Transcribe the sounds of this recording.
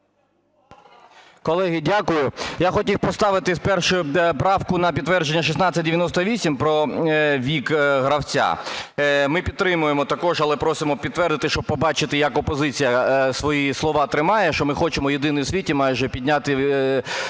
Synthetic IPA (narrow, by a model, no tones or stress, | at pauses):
kɔlˠɛɦɪdʲakʊjʊjaxɔtʲiwpɔst̪ɑʋɪt̪ɪspɛrʃʊjʊpɾɑwkʊnɐpʲid̪t̪ːʋɛrd͡ʒenʲːɐʃ̬isnɑt͡sʲːɐt̚ʲd̪eʋʲjɐnɔst̪ɔʋʲisʲimpɾɔʋʲikɦɾɐwt͡sʲa̰ | mɪpʲid̪t̪ːɾɪmʊjemɔt̪ɐkɔʒɐlˠɛpɾɔsɪmɔpʲid̪t̪ʋɛrd̪ɪt̪ɪʃt͡ʃɔb̚pɔbɑt͡ʃɪt̪ɪjɐkɔpɔzɪt͡sʲijɐsʋɔjislˠɔʋɑt̪ɾɪmɑjɛʃt͡ʃɔmɪxɔt͡ʃemɔjed̪ɪnɪwsʲʋʲitʲimɑjʒɛpʲidʲnʲat̪ɪ